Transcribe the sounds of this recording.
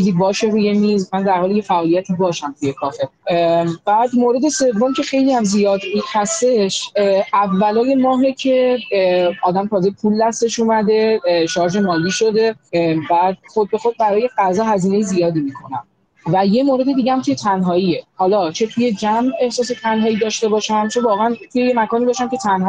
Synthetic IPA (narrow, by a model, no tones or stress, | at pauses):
t͡ʃʰiziːbɒːʃe̞ɾuːje̞mizmænd̪æɾhɒːleje̞fæʔɒːlijæt̪ʰibɒːʃæmt̪ʰuje̞kʰɒːfe | bæːd̪moɾe̞d̪e̞se̞vːo̞mcʰe̞xe̞jliæmzijɒːd̪ihæst̪e̞ʃævːælɒːje̞mɒːɦecʰe̞ | ɒːd̪æmt̪ʰɒːzepʰulːæst̪e̞ʃuːmæd̪e̞ʃɒɾd͡ʒe̞mɒːliːʃo̞d̪e̞bæd̪̚χod̪̚be̞xo̞d̪̚bæɾɒːje̞ɡæzɒːɦæziːne̞jezijɒːd̪imikʰo̞næm | væje̞moːɾe̞d̪ed̪iːɟehæmt̪ʰuje̞t̪ʰænɦɒːiehɒːlɒːt͡ʃʰe̞t̪ʰuje̞d͡ʒæme̞hsɒːs̬e̞t̪ʰænɦɒːiːd̪ɒːʃt̪e̞bɒːʃæmt͡ʃʰe̞vɒːɣeænt̪ʰuje̞jemækɒːniːbɒːʃæmcʰe̞t̪ʰænh